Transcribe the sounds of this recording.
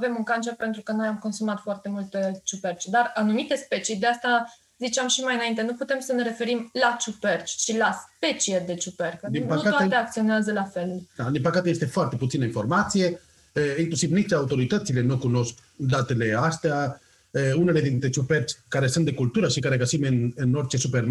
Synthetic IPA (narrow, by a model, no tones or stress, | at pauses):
ave̞muŋkant͡ʃerpe̞nt̪ɾukəno̞jamko̞nsumat̪foart̪e̞mult̪et͡ʃupert͡ʃd̪aranumit̪e̞spe̞t͡ʃid̪east̪a | zit͡ʃeamʃimajɨnaint̪enuput̪e̞msəne̞ɾe̞fe̞ɾimlat͡ʃupert͡ʃʲt͡ʃilaspe̞t͡ʃijed̪e̞t͡ʃuperkd̪ipəutat̪oaaeakt̪sio̞neazəlafe̞lad̪inpəkat̪eje̞st̪e̞foart̪e̞put̪inəinfo̞rmat̪sije̞ | əiŋklusivnit͡ʃaut̪o̞ɾit̪ət̪sile̞nukuno̞sk | d̪at̪e̞le̞ast̪ea | əune̞le̞d̪int̪ɾet͡ʃupert͡ʃʲkaɾe̞sunt̪d̪ekult̪uɾəʃikaɾe̞ɡasimɨnɨno̞rt͡ʃe̞superm